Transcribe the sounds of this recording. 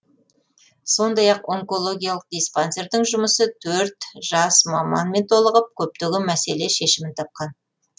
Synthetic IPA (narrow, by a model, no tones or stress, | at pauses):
so̞nd̪ɑjɑqo̞ŋko̞lˠo̞ɡʲijalˠəq̚d̪ijspanse̞ɾd̪ɪŋʒʊməsət̪ʰɵɾt̪ʒ̥ɑsmɑmɑ̰nme̞nt̪ʰo̞lˠəʁəp̚kʲʰɵp̚t̪eɡʲɪmæse̞le̞ʃe̞ʃɪmɪnt̪ʰɑp̚qɑn